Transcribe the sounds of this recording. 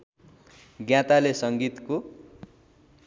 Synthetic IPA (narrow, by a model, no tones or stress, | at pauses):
ɡjãt̪alesʌŋɡit̪ko